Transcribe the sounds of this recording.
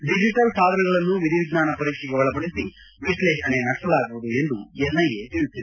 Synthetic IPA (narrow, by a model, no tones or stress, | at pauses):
ɖid͡ʒiʈɐlsaːd̪ʱɐnɐɡɐɭɐnːuːʋid̪ʱiʋid̪naːnɐpɐɾikʂɐkɐʋɐɭɐbɐɽisi | ʋislɛːʃɐneːnɐʈʈːɐlaːɡuʋud̪ueɳɖ̪uɛnːɐjeːt̪ilusid̪i